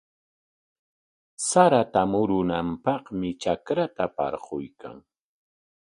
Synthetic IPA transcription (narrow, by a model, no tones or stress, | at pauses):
saɾat̪amʊɾʊnampɑχmɪt͡ʃakɾat̪apɑ̰ɾqojkʰa̰ŋ